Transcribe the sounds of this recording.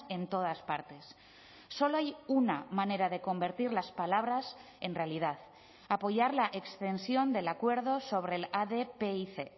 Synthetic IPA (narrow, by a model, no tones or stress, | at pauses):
e̞nt̪o̞ð̞aspaɾt̪e̞sː | o̞loajunamane̞ɾaðe̞ko̞mbe̞ɾt̪iɾlaspalaβ̞ɾas | e̞nre̞alið̞að | apo̞ʝaɾlaʔe̞kst̪e̞nsjo̞nd̪e̞lakwe̞ɾð̞o̞so̞β̞ɾe̞laðe̞peiθe